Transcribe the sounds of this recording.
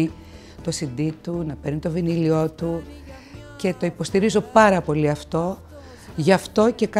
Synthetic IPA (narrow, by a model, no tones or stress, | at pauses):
i | t̪o̞sind̪it̪unɐpeɾnit̪o̞vinilio̞t̪u | ce̞t̪o̞ipo̞st̪iɾizo̞pɐɾɐpo̞liɐft̪o̞ | ʝɐft̪o̞ce̞kɐ